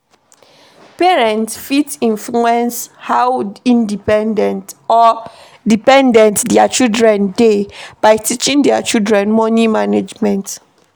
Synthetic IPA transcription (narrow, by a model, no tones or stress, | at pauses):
pɛɹɛ̃ntsfitĩnfluɛ̃nshawĩndipɛ̃ndɛ̃ntɔ | dipɛ̃ndɛ̃ntdɛat͡ʃidɹɛ̃ndeb̥aɪtit͡ʃĩŋdɛat͡ʃidɹɛ̃nmɔnimaned͡ʒmɛ̃nt